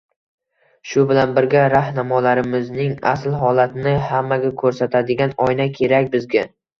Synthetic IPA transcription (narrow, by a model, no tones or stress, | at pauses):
ʃʊbɪlanbɪɾɡʲaɾahnamɒlaɾɪmɪznɪŋa̰slɦɒlat̪nɪhamːaɡʲakʰɵɾsat̪ʰad̪ɪɡʲanɒjnakʲʰe̞ɾakʲbɪzɡʲa